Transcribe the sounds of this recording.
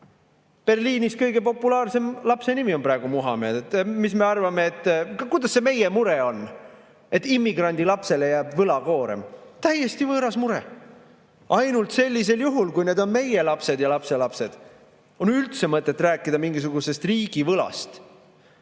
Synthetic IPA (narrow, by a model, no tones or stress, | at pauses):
pe̞rliːniskɤjɡe̞po̞pːulɑːrse̞mlɑpse̞nimio̞npɾɑeɡ̥umuɦɑ̰me̞ːd̪et̪misme̞ɑrvɑme̞ːt̪ˑːkujd̪ɑsːe̞me̞je̞muɾe̞o̞n | e̞t̪ːˑimːiɡ̥rɑnʲd̪ilɑpse̞le̞jæːbvɤlɑko̞ːɾe̞̰mt̪æje̞st̪ivɤːɾɑsmuɾḛ | ʔɑjnult̪se̞lʲːis̬e̞ljuɦulkujne̞d̪o̞nme̞je̞lɑpse̞d̪jɑlɑpse̞lɑpse̞d̪̥ | o̞nylt̪se̞mɤt̪ːˑet̪ːˑræːkːˑid̪̥ɑmiŋɡis̬uɡuse̞st̪riːɡ̥ivɤlɑ̰st̪